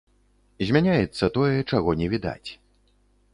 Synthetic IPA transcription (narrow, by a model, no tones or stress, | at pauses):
zʲmʲanʲajɛt̪sːɐt̪ɔjɛt͡ʂaɣɔnʲɛvʲid̪a̰t͡sʲ